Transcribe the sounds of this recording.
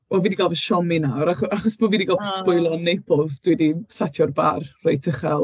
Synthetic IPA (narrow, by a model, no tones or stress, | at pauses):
b̥oviːdiɡalˠvəʃɔminawɾaχɔaχɔsb̥oːviːdiɡalˠvəspʊɨlˠɔnːejpʰɔðd̥widisatʰjɔrba̰rrejtʰəχɛlˠ